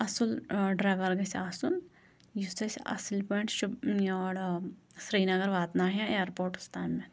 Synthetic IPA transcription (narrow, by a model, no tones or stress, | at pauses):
ɐsulɖɾaːʋɐɾɡɐsaːsun | just̪ɐsʲɐ̰silpeɳʈʃuboːɽsɾiːnɐɡɐɾʋaːt̪naːɦẽeːɾpoːɾʈu̥st̪aːmːẽ